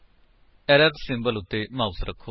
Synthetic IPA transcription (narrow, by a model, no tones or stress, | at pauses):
ɛɾəɾdsɪ̃mbəlʊt̪ːeːmaːusɾəkʰːoː